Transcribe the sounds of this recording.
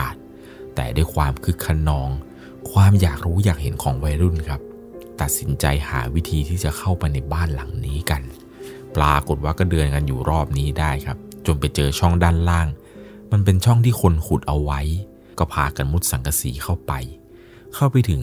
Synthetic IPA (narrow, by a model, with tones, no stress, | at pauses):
a˨˩t̪̚ | t̪ːɛ̰ː˨˩daː˥˩jkʰwaː˧mkʰɯ˦˥kʰːa˧nːɔː˧ŋ | kʰwaː˧mjaː˨˩k̚ɾuː˦˥jaː˨˩k̚he˩˦nkʰɔː˩˦ŋwa˧ɾu˥˩nkʰa˦˥p̚ | t̪a˨˩t̪̚si˩˦nt͡ɕa˧jha̰ː˩˦wi˦˥t̪ʰiː˧t̪ʰiː˥˩t͡ɕa˨˩kʰa˥˩wpa˧jna˧jbaː˥˩nla˩˦ŋniː˦˥ka˧n | plaː˧ko˨˩t̪̚waː˥˩kɔː˥˩dɯː˧ənka˧njuː˨˩ɾɔː˥˩p̚niː˦˥daː˥˩jkʰa˦˥p̚t͡ɕo˧npa˧jt͡ɕɤː˧t͡ɕʰɔ˥˩ŋdaː˥˩nlaː˥˩ŋ | ma˧np̬e˧nt͡ɕʰɔ˥˩ŋt̪ʰiː˥˩kʰo˧nkʰu˨˩t̪̚ʔa˧wwa˦˥j | kɔː˥˩pʰaː˧ka˧nmu˦˥t̪̚sa˩˦ka˧sḭː˩˦kʰa˥˩wpa˧j | kʰa˥˩wpa˧jt̪ʰɯ˩˦ŋ